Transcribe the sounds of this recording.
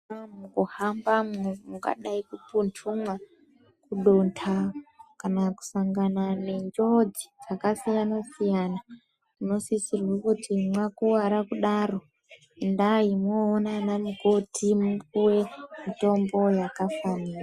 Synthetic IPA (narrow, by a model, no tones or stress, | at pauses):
amuɡohambamemuɡa̰ɗaikupuntʰuma | kuɗontʰakanaku̥saŋɡanane̞ɲd͡ʒo̞d͡zit͡sakasijanasijana | uno̞sisirwakutimwakuwaɾakuɗaro̞ | ndaimoːnanamuɡotʰimuwe̞mito̞mbo̞jakafaniːra